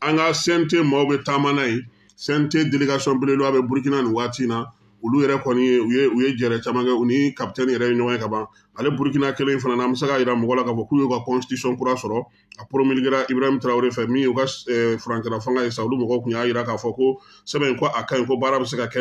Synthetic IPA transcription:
ãŋkasɛ̃ntemaubɛtamãnaje | sɛ̃ntedeleɡasiɔ̃belẽloabɛbuɾuk̬inanĩwaːtĩna | ulujɛɾɛkɔnĩjeujeujed͡ʒɛɾɛt͡ʃamãŋkɛunikap̚tɛ̃nĩjɛɾɛeɲɔɡɔ̃jekabã | alebuɾukinakelẽfananãbɛs̬ekajiɾamɔɡɔlakaːfɔkujeukakɔ̃si̥tisiɔ̃kuɾasɔɾɔ | apɾomiliɡiɾaʔibɾaimtɾaweɾefɛmĩjeukaɛfuɾãɲt͡ʃɛlafãŋɡajesaolumɔɡɔkũjajiɾakaːfɔko | sɛbɛ̃ĩkoʔakãĩkobaːɾabɛs̬ekakɛ

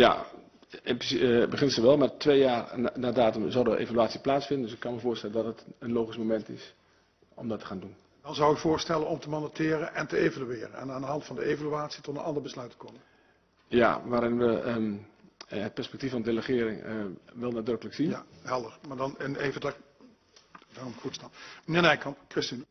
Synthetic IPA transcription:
ja̰ | psbəχɪnsəʋɛlˠmartʰʋeːjaːrnaːdaːtəmzɔwdəʔḛːvalyaːt͡sjəplaːt͡ssfɪndəndʏsɪkːɑnməvoːrstɛləndɔtətənloːχismomɛntɪ̰s | ɔmdɔtʰə̥χaːndun | dɑnzawɪkfʊːɹstɛlənɔmtəmondatʰɪːɾənʔɛntəevalyɪːɾə̰nɛ̰naːndəɦɑntfɑndəeːvalyaːtsi̥tɔtənɑndəɹbəslœɥtə̥kɔnə | ja̰ʋaːɾɪnʋə | ət̚pɛɹspɛk̚tifɔnədələχɪəɾɪŋʋɛlˠnadrøkələksinhɛlˠdəɹmaːdɑnəneːvədk | daːrɔmɪkfutsnapmənɪːnɛjkɑkrɪstin

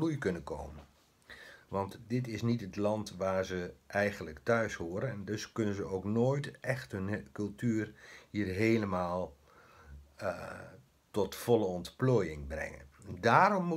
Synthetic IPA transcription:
lujkɵnəko̰wmə | ʋɑntdɪtɪsnitətlɑntʋaːrzəʔɛjχənləktœɥshoːɾənɛndɵskɵnənzəowknoːjtʔɛχtɦɵnkɵlˠtyːrhiːrɦeːləmaːlˠ | tɔtfɔlˠəɔntploːjɪŋbrɛ̰ŋə̰ndaːɾɔmː

